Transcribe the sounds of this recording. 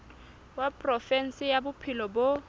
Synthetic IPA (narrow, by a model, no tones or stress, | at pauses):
wapʼrɔfɛn̩sɪjabʊpʰɪlɔbo